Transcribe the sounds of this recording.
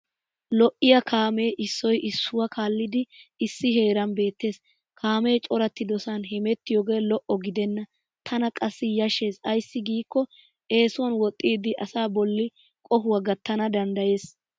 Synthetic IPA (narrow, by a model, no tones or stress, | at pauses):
lɔʔɪjɐkaːme̞ːʔɪsːɔjʔɪsːʊwɐkʰaːlːɪd̪ɪɪsːɪɦe̞ːɾɐnbe̞ːt̪ːe̞ːs | kʰaːme̞ːt͡ʃʼɔɾɐt̪ːɪd̪ɔsanɦɛmɛt̪ːɪjoːɡe̞ːlɔʔɔɡɪd̪ɛnːɐ | t̪ʰɐnɐkʼɐsːɪjɐʃːe̞ːsɐjsːɪɡiːkːɔ | ʔe̞ːsʊwɐnwɔt̪ʼːiːd̪ɪʔɐsaːbɔlːɪ | kʼɔhʊwɐɡɐt̪ːɐnɐd̪ɐnd̪ɐje̞ːs